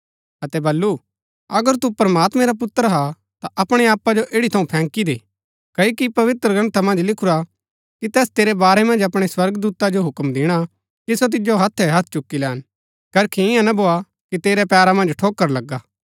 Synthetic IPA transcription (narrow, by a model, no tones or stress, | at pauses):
ɐt̪ɛbɐlːu | ɐɡəɾt̪upɾəmaːt̪mɛ̃ɾap̬ʊt̪ːəɾɦa | t̪aʔɐpɽ̃eaːpad͡ʒoʔeːɽit̪ʰɐũpʰɛ̃ːkid̪eː | kɐikipɐʋɪt̪ɾəɡɐ̃nt̪ʰamɐ̃nd͡ʒlɪkʰʊɾa | kit̪ɛːst̪eːɾɛbaːɾɛmɐ̃nd͡ʒɐpɽ̃eswɐɾɡd̪uːt̪ad͡ʒoɦʊkmd̪ɪɽ̃a | kisot̪̬ɪd͡ʒoɦɐt̪ʰːɛɦɐt̪ʰt͡ʃʊkːilɛːn | kɐɾkʰiɪ̃jãnɐboːa | kit̪eːɾɛpɛːɾamɐ̃nd͡ʒʈʰoːkːəɾlɐɡaː